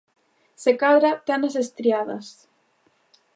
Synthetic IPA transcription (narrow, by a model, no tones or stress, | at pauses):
sekaðɾat̪ɛnɐsest̪ɾiaðɐ̰s